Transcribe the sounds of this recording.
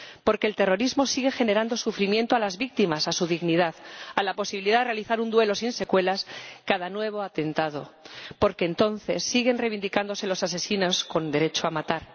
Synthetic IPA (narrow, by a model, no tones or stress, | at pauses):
po̞ɾkeːlt̪e̞ro̞ɾizmo̞siɣe̞xe̞ne̞ɾand̪o̞sufɾimje̞nt̪oalazβik̚t̪imasasuðiɣniðaðalapo̞siβiliðaðerealiθaɾund̪we̞lo̞sinse̞kwe̞laskaðanwe̞βo̞at̪e̞nt̪að̞o̞̰po̞ɾke̞ːnt̪o̞nθe̞sːiɣe̞nreβind̪ikand̪o̞se̞lo̞sase̞sino̞sko̞nd̪e̞ɾe̞t͡ʃoamat̪aɾ